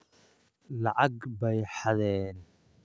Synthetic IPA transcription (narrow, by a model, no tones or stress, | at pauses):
lɑʕɑɡbɛjħɑðɛːn